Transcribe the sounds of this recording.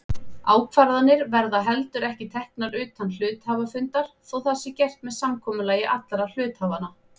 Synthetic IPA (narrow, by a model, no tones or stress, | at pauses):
aːwkʰvaɾðanːɪɾvɛɾðaɦɛlt̪ʏɾɛhcɪt̪ʰɛhknaɾʏːt̪anːl̥ʏːt̪haːvafʏnt̪aɾ̥θɔwθasːɪcɛr̥t̪mɛðsamkʰɔːmʏlaːjɪʔat̪laɾal̥ʏːt̪haːvana